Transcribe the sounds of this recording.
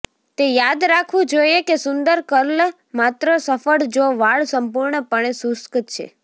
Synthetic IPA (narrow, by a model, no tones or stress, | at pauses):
t̪ejad̪ɾakʰʋũd͡ʒoiekesʊnd̪əɾkəɾl | mat̪ɾosəfəɽd͡ʒoʋaɭsəmpuɾɳəpəɳ̃esʊskət͡ʃʰḛ